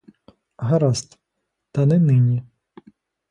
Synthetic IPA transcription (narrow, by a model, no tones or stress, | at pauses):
ɦɐɾast̪ | t̪ɐnɛnɪnʲi